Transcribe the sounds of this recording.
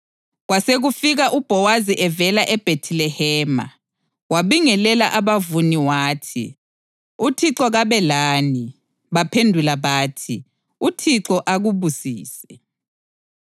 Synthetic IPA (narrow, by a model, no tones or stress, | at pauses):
ɣwaseɣufiɣaʔub̥ʱɔwaziʔɛvɛlaʔɛb̥ʱetʰilɛhɛːma̰ | waβiŋɛlɛlaʔaβavuniwaːtʰḭ | utʰiǁɔɣaβɛlaːni | βapʰendʱulaβaːtʰi | utʰiǁɔʔaɣuβusiːsɛ̥